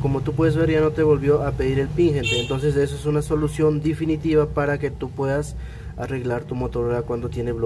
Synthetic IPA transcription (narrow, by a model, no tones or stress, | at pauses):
ko̞mo̞t̪upwe̞ðe̞zβe̞ɾʝano̞t̪e̞βo̞lβjo̞ʔape̞ðiɾe̞lpiŋxent̪eːnt̪o̞ns̬e̞s̬e̞soesunaso̞lusjo̞nd̪efinit̪iβapaɾake̞t̪upwe̞ðas | a̰re̞ɣlaɾt̪umo̞t̪oɾolakwand̪o̞t̪je̞neβlo